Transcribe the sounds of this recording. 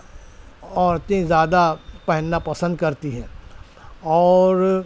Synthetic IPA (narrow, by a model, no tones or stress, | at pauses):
ɔːɾt̪ẽzjaːd̪apɛɦənːapɐsə̃nd̪̚kɐɾt̪iɦɛ̃ː | ɔːɾ